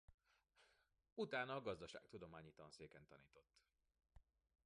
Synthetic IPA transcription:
ut̪aːnɒːɡɒzd̪ɒʃa̰ːk̚t̪ud̪o̞maːɲiːt̪ɒnseːkɛnt̪ɒniːt̪o̞t̪ː

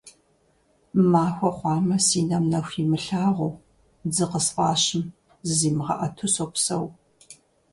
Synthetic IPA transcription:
maːxʷɐχʷɑːmɐsiːnɐmnɐxʷimɨɬaːʁʷow | d͡zɨqəsfɑːɕɪm | ziːmɨʁɐʔɐtʰʊsopsɐw

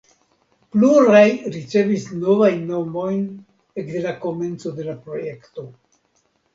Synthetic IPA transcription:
pluɾajɾit͡se̞visno̞vajnːo̞mo̞jn | ekde̞lako̞me̞nt͡so̞de̞lapɾo̞je̞kto̞

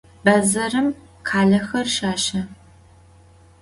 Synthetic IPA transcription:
bɐzɐrɨm | qʰaːɮɐxɐrʃaːʃɐ

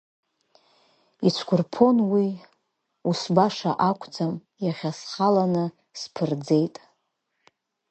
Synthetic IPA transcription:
it͡ʃʷʰɡʷʰʊrpʰo̞nwi | usbaʂaʔakʷʰt͡sʰam | jaχʲasχalanɨ | spʰɨrd͡ze̞jtʼ

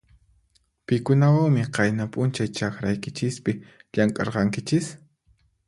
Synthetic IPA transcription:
pɪkʊnawaŋmɪqɑjnapʼʊnt͡ʃajt͡ʃaxɾajkɪt͡ʃɪspɪʎaŋkʼɑ̰ɾqɑŋkɪt͡ʃɪs

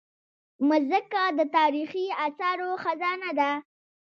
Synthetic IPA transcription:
məzəkad̪ət̪ɑɾixiasɑɾoxazɑnad̪a

